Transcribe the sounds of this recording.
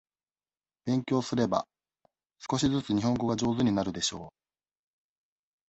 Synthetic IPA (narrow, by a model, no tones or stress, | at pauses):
b̥ẽ̞ŋkʲo̞ːsɨɾe̞ba̰ | sɨ̥ko̞ɕizɨt͡sɨɲ̟iɦõ̞ŋɡo̞ɡad͡ʑo̞ːzɨɲ̟inaɾɯ̟d̪e̞ɕo̞ː